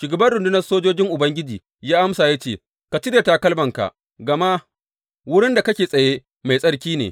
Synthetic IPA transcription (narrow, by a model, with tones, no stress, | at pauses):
ʃʊ˨ɡɐ˨bɐ˦nɽʊ˨ndʊ˦nɐ˦rsoː˦d͡ʒoː˦d͡ʒɪ˦ŋʔʊ˨bɐ˦ŋɡʲɪ˦d͡ʒiː˨ | jaː˦ʔa˦msaː˨ja˦t͡ʃeː˦˨ | ka˨t͡ʃɪ˦de˨ta˦kɐ˦lbɐ˨ŋka̰˨ʔ | ɡɐ˨ma˦ | wʊ˦ɽɪ˦nda˨kɐ˦kʲeː˨sʼɐ˨jeː˦ | ma˨jsʼɐ˦ɽkʲiː˦nḛː˨